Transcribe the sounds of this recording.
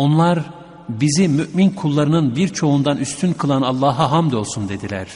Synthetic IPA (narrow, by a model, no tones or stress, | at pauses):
o̞nlˠaɾ | bizimyʔminkʰulˠːaɾɯnɯnbiɾt͡ʃʰo̞und̪anyst̪ʰynkʰɯlˠanalˠːaːɦaɦamd̪io̞lˠsund̪e̞d̪ilʲæ̰ɾ̥